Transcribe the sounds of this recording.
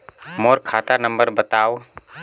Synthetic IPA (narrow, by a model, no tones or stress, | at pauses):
moɾkʰaːt̪anəmbəɾbət̪aw